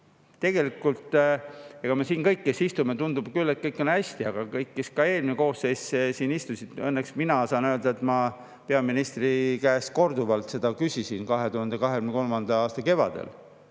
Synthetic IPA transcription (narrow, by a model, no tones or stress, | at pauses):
t̪e̞ɡ̥e̞likːˑult̪ | eɡ̥ɑmesiːnkɤjkːesist̪umet̪und̪ub̥kylːet̪̚kɤjkːˑo̞nhæsʲt̪iɑɡ̥ɑkɤjkːeskɑe̞ːlmineko̞ːsːejssiːnist̪usid̪̥ɤnːeksminɑsɑːnøøld̪̥ɑe̞t̪ˑmɑ | pe̞ɑminist̪rikæːst̪̚ko̞rd̪uvɑlt̪se̞d̪̥ɑkysisinkɑɦe̞t̪uhɑnd̪̥ekɑɦekymekolmɑnd̪̥ɑɑːst̪ɑke̞vɑ̰d̪̥ḛl